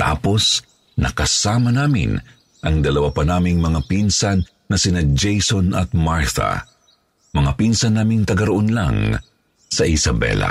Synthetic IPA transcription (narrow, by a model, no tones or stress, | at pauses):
t̪a̰ːpo̞s | nɐkɐsaːmɐnaːmɪ̰n | ʔɐŋd̪ɐlɐwapɐnaːmiŋmɐŋapinsanː | ɐsɪnad͡ʒejsonɐt̪̚maɹt̪ɐ̰ | mɐŋapinsɐnːaːmɪŋt̪ɐɡɐɾoʔonla̰ŋ | sɐʔɪsɐbɛ̰la̰